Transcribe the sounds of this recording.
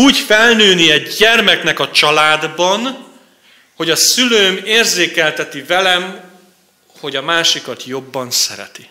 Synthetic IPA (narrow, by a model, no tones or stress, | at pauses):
uːɟfɛlnøːniɛɟɛrmɛknɛkɒt͡ʃɒlaːd̪bɒn | ho̞ɟɒsyløːmeːrzeːkɛlt̪ɛt̪ivɛlɛm | ho̞ɟɒmaːʃikɒt̪jo̞bːɒnsɛɾɛ̰t̪i